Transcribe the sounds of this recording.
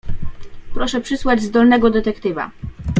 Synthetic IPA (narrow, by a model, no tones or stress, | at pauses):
pɾɔʂɛpʂɘswad͡ʑzd̪ɔlnɛɡɔd̪ɛt̪ɛkt̪ɘva̰